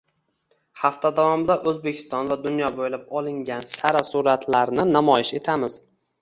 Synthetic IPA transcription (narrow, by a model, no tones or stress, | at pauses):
haft̪ʰad̪avɒmɪd̪aʔɵzbe̞kʲʰɪ̥st̪ɒnvad̪ʊnjɒbojlap̚ɒlˠɪŋɡʲansaɾasuɾat̪ʰlaɾnɪnamɒjɪʃe̞t̪ʰamɪz̥